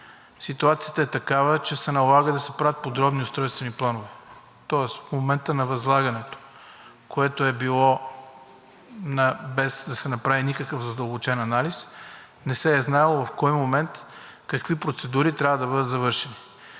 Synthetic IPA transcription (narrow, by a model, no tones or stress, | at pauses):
sit̪uat̪sijət̪əɛt̪ɐkavət͡ʃɛsɛnɐlˠaɡəd̪ɐsɛpɾavət̪̚pod̪ɾɔbnioʊst̪ɾɔjst̪vɛniplˠanovɛ | t̪ɔɛsfmomɛnt̪ənɐvɐzlˠaɡɐnɛt̪o̥ | koɛt̪oɛbilˠɔ | nɐbɛzd̪ɐsɛnɐpɾavinikəkəvzɐd̪əlˠbot͡ʃɛnɐnalis | nɛsɛːznalˠovɐfkɔjmomɛnt̪ | kɐkvipɾot̪sɛd̪uɾit̪ɾʲavɐd̪ɐbɤd̪ət̪zɐvɤɾʃɛni